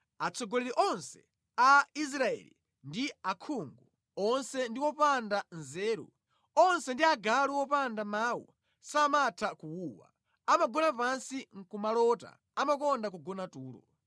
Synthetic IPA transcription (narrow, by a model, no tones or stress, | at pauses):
at͡sʰɔɡɔlɛɾiʔɔnsɛ̥ | ais̬ɾaɛ̰lḭ | ndiakʰuŋɡu | ɔnsɛndiwɔpandanzɛːɾṵ | ɔnsɛndiaɡaluwɔpandamaːwṵ | samatʰakuwuːwa̰ | amaɡɔnapansiŋ̩kumalɔta̰ | amakɔndak̬uɡɔnatuːlɔ̰